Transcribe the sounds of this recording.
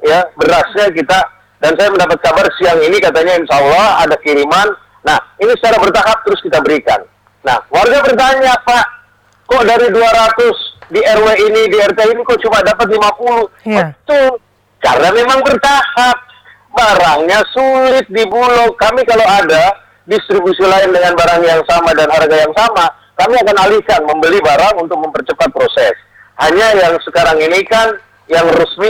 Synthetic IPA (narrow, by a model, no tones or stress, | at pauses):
jabəɾasɲakit̪a | dansajaməndapat̪̚kabarsiaŋinikat̪aɲainsaɔlːɔha̰dakiɾimanː | ahinisə̥t͡ʃaɾabərt̪aɦap̚t̪əɾʊskit̪abəɾika̰nː | a̰hwarɡabərt̪̬aɲapaʔ | kɔʔdaɾiduaɾat̪ʊsdiɛrweinidiɛrt̪einikɔʔt͡ʃumadapat̪̚limapulubənt̪ʊŋ | t͡ʃa̰rnamemaŋbərt̪ahap̚ | baɾaŋɲasulɪt̪̚dibulɔkkːamikalowada | dist̪ɾibusilaɪndəŋanbaɾaŋjaŋsamadanɦarɡajaŋsama | kamiakanalihkanməmbəlibaɾaŋunt̪ʊk̚məmpərt͡ʃəpat̪̚pɾosɛ̰s | haɲajaŋsəkaɾaŋinikan | jaŋrusmi